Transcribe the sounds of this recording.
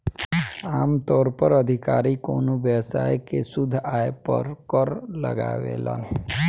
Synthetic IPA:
aːmt̪ɔːɾpəɾəd̪ʱɪkaːɾikoːnoʋjəsa̰ːjkesʊd̪ʱːaːepə̰ɾkɔɾləɡa̰ːʋḛla̰ː

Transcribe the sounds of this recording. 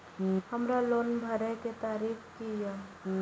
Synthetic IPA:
həmɾaloːnbʱəɾəket̪aːɾiːkʰkija

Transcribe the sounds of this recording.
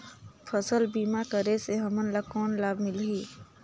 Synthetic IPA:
pʰəsəlbimakəɾeseɦəmənlakɔːnlaːbʱmɪlɦi

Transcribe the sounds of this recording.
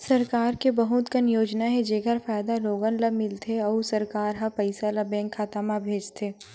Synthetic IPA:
sɐɾkaːɾkebɐɦʊt̪kɐnjoːd͡ʒnaɦɛd͡ʒeːɡəɾfaːjd̪aloːɡənləmɪlt̪ʰeɔːusɐɾkaːɾɦapɐɪsalabɛ̃ːŋkʰːaːt̪amabʱeːd͡ʒt̪ʰeː

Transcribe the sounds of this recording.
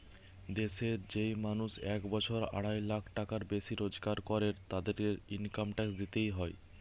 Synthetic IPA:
d̪eʃeɾd͡ʑejmanuʃɛkbɔt͡ɕʰoɾa̰ɽajlakʰʈakaɾbeʃiɾod͡ʑkaɾkɔɾeɾt̪ad̪eɾkeɾinkamʈɛksd̪it̪ejɦɔe

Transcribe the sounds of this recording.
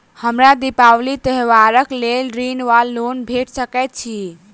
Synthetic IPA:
həmɾad̪ipawlit̪əɦʋaɾəklelɾinʋalːonbʱeʈsəkɛt̪̚t͡ʃʰi

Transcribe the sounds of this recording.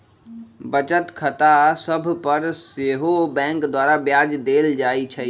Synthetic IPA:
bət͡ʃət̪kʰət̪asəbʱpəɾseːɦobɛ̃ːŋkd̪waːɾabjaːd͡ʒd̪eːld͡ʒaːit͡ʃʰɛ

